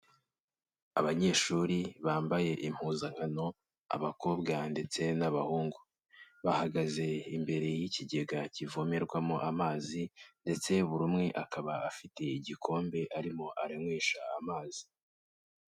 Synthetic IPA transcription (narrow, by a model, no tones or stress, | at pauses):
aβaɲe̞ːʃuɾiβaːmbaje̞ʔim̥huːzaŋ̥hano̞ | a̰βako̞ːbɡande̞t͡se̞naβahuːŋɡu | βahaɡaze̞imbe̞ɾe̞jiciɟe̞ɡacivome̞ɾɡwamoʔamaːzinde̞t͡se̞βuɾumŋe̞ʔakʰaβaafite̞iɟikʰo̞ːmbe̞ʔaɾimo̞ʔaɾemwiːʃaːmaːz̥i̥